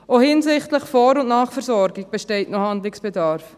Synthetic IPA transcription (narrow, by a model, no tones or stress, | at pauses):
ohɪnzɪχtləχfɔɾʊntnaːχfɛɾzɔɾɡɪɡ̚b̥eʃteɪtnɔhandlɪksb̥edɑːɾf